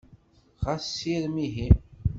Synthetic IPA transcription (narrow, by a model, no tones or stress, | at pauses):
ʁæsːiɾmiɦim